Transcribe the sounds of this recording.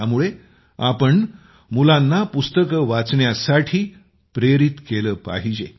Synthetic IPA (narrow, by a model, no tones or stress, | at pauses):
amuɭe | apəɳ | mulãnːapust̪əkʋat͡sɳjasaʈʰiː | pɾeɾit̪keləːpa̰ɦid͡ʑe